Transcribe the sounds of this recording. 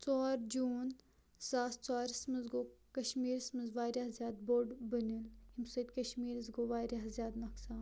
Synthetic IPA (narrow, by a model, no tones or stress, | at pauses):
t͡sɔːɾd͡ʒuːn | z̥aːst͡sɔːɾismɐzɡoːkɐʃmiːɾismɐzʋaːɾʲaːzjaːd̪̚boːɖbɐnilhimsɐt̪̚kɐʃmiːɾizɡoːʋaːɾʲaːɦzjaːd̪mɐksaːn